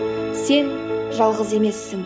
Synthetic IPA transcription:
se̞nʒɑlˠʁəze̞me̞sːɪŋ

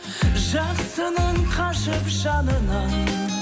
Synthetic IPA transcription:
ʒɑqsənəɴqʰɑʃəpʒɑnənə

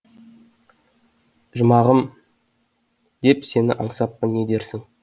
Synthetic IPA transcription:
ʒʊmɑʁəm | d̪̥e̞pse̞nɪ̰ʔɑɴsɑpːənːed̪e̞ɾsɪŋ

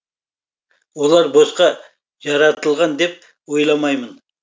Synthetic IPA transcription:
wo̞lˠɑɾbosqɑ | ʒɑɾɑt̪əlˠʁɑnd̪e̞p̚ | wo̞jlˠɑmɑjmən

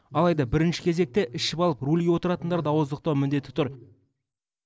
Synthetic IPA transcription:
ɑlˠɑjd̪ɑbɪɾɪnʃɪ̥kʲʰe̞ze̞k̚t̪e̞ʔɪʃɪpɑlˠəprulʲewo̞t̪əɾɑt̪ənd̪ɑɾd̪ɑwəzd̪əqt̪ɑwmɪnd̪e̞t̪ːɪ̥t̪ʰʊɾ

